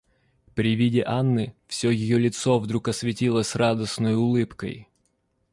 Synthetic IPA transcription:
pɾʲɪvʲidʲɪʔanːɨfsʲɵjɪjolʲɪt̪sovd̪ɾukɐsʲvʲɪtʲilˠəsʲrad̪əsnəjʊʊlˠɨpkə̰j

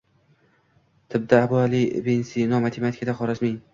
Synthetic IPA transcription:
t̪ʰɪb̚d̪aːbʊalibensinɒmat̪ʰemat̪ʰi̥kʰʲad̪aχɒɾazmɪŋ

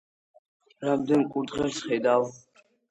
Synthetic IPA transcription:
ɾamd̪ɛnkʼuɾd̪ʁɛɾsχɛjd̪al

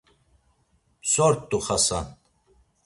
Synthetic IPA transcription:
psɔɾt̪ʼːuχasa̰n

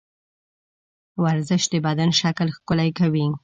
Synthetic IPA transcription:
waɾzɪʃd̪əbad̪anʃaklxkʊlajkawi

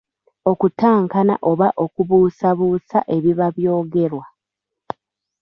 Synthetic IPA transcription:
o̞kutaːŋkana̰ʔo̞βaʔo̞kuβuːsaβuːsaʔe̞βiβaβjo̞ːɡe̞ɾwa

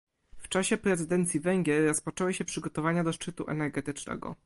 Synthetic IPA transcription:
ft͡ʂaɕɛpɾɛzɘd̪ɛnt̪sʲjivɛŋɡʲjɛɾːɔspɔt͡ʂɛwɘɕɛpʂɘɡɔt̪ɔvaɲad̪ɔʂt͡ʂɘt̪uʔɛ̰nɛɾɡɛt̪ɘt͡ʂnɛ̰ɡɔ̰

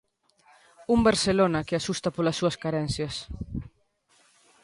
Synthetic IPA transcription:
umbeɾselonɐkeasust̪ɐpolɐsːuɐskaɾɛnsjɐs

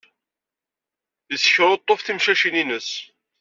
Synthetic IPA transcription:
əsçɾˤot̪ˤːofθimʃæʃininəs

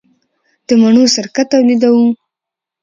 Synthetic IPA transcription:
d̪̥əmaɳosaɾkat̪ːawlid̪awu

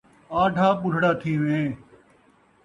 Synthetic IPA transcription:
aːʈʰaːpʊɾ̤ʱɽaːt̪ʰiːʋẽː

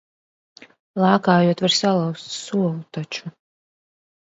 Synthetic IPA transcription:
lˠaːkaːjuɔt̪vaɾsalˠawst̪suɔlˠut̪at͡ʃu

